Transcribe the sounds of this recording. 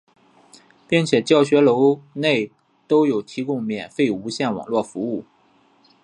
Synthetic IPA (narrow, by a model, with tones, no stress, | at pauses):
pi˥˩ŋt͡ɕʰjɛ˨˩t͡ɕjɑ˥˩ʊɕɥɛ˧˥lo˧˥ʊne˥˩ɪ | t̪o˥ʊjo˨˩ʊt̪ʰi˧˥kʊ˥ŋmjɛ˨˩nfe˥˩ɪu˧˥ɕjɛ˥˩nwɑ̰˨˩ŋlwɔ˥˩fu˧˥u˥˩